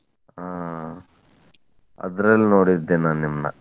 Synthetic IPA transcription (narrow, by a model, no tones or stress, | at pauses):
aː | ɐ̰d̪ɾɐlːno̞ːɽid̪ːeːnaːnnimnɐ̰